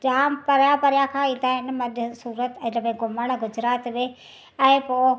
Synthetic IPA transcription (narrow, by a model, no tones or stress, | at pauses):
d͡ʒaːmpɐɾjapɐɾjakʰãːɪ̃d̪aːɦɪnmɐɗsuːɾət̪ɛ̃d͡ʒɐbẽɡʊməɽ̃ɡʊd͡ʒɾaːt̪ʋeː | ɛ̃ɪ̃poː